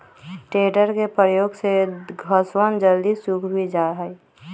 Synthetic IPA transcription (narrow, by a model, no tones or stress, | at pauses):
ʈeɖəɾkepɾəjoːɡseɡʱəswənd͡ʒəld̪isukʰbʱid͡ʒaɦəɪ